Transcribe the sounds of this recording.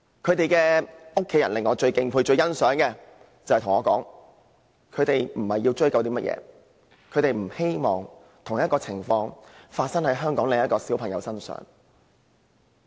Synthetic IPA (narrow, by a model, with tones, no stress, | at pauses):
kʰɵ˨˧ɥt̪e˨jkɛː˧ʊ˥kʰːe˨˥jɐ˨˩nlɪ˨ŋːɔː˨˧t͡ʃɵ˧ɥkɪ˧ŋpʰuː˧jt͡ʃɵ˧ɥjɐ˥nsœː˨˥ŋkɛː˧ | t͡sɐ˨hjt̪ʰʊ˨˩ŋːɔː˨˧kɔ̰ː˨˥ŋ | kʰɵ˨˧t̪e˨jm̩˨˩hɐ˨jːi˧wt͡ʃɵ˥kɐ˧wt̪iː˥mɐ˥t̚jʔɛ̰ː˧ | kʰɵ˨˧ɥt̪e˨jm̩˨˩he˥jmɔː˨ŋ | t̪ʰʊ˨˩ŋjɐ˥t̚kɔː˧t͡sʰɪ˨˩ŋfɔː˧ŋfaː˧t̚sɐ˥ŋhɐ˨˥jɦœː˥ŋkɔː˨˥ŋle˨ŋjɐ˥t̚kɔː˧siː˨˥wpʰɐ˨˩ŋjɐ˨˧wsɐ˥nsœ̰ː˨˥ŋ